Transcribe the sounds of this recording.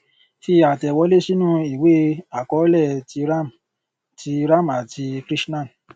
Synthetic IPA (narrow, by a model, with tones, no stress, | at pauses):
fi˧a˨tɛ˨wɔ˨˦le˦ʃi˦nũ˦i˨we˦a˨kɔ˨˦lɛ˦˨ti˧ɾa˦m | ti˧ɾa˦˨m˨a˨ti˧kɾi˦snã˦˨